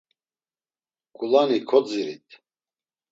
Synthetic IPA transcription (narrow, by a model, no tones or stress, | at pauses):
kʼulanikʰɔt͡siɾit̪ʰ